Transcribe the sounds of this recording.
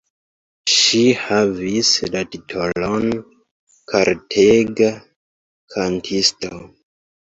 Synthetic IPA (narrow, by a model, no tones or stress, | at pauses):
ʃihavislatitʰolon | kʰaɾtʰeɡa | kʰantʰisto